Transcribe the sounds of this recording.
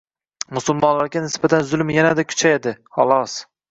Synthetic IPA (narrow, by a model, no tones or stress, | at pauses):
mʊsʊlˠmɒnlaɾɡʲanɪsbat̪ʰanzʊlˠmjanad̪akʲʰʊ̥t͡ʃʰajed̪ɪhɒ̰lˠɒs